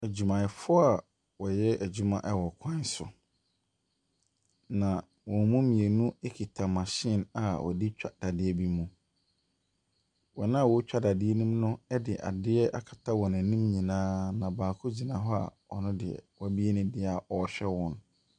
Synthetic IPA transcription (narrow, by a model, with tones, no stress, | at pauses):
æ˨d͡ʑu˨mã˨ɪ˨fʊ˦a˨ | wɔ˨jɛ˦æ˨d͡ʑᶣu˦mã˨ʔɛ˦wɔ˨kʷʰã˦sʊ̰˨ | nã˨ | wɔ̃˨mũ˦mĩ˨e˨nũ˦e˦kʰi˨tʰã˨mã˨ɕɪ˦˨na˨wʔɔ̰˨di˦t͡ɕᶣa˦d̥a˨dɪ˦ɛ˦bi˦mũ˨ | wɔ˨nã˦˨wɔ˨˦t͡ɕᶣa˦da˨dɪ˦ɛ˦nũ˦mnʊ̃˦ɛ˦dɪ˨ʔa̰˨dɪ˦ɛ˦ʔa˦˨kʰḁ˨tʰa˦wɔ̃˨nã˨nĩ˦mɲĩ˨nãː˦nã˨baː˨kʰʊ˦d͡ʑi˨nã˨˦ɦɔ˦a̰˨wɔ˨nʊ̃˦dɪ˨ɛ̰˨wɔ˦bi˦ɛ˦nʊ̃˦dɪ˦a˨ɔ˨˦ɕᶣɛ˦wɔ̃˨n